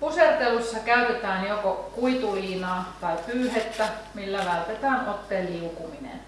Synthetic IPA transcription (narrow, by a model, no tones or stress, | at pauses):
pusert̪elusːɑkæyt̪et̪æːnjokokuit̪uːlʲiːnɑːt̪ɑipyːhet̪ːæmilːæʋælt̪et̪æːŋʔot̪ːeːlliukuminḛn